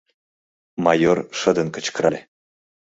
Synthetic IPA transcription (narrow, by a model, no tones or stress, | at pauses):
mɑjorʃə̆d̪ə̆nkə̆t͡ɕkɾɑlʲe